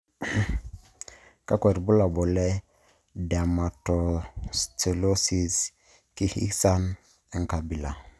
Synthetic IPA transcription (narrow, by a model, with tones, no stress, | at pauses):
ka˦kɛ˨ɾbu˦la˨bɔ˨lɛ˦ | da˨ma˨tɔ˨ste˨lo˦si˨s | ki˦hḭ˦sa˦n | e˨ŋka˨bi˨la˨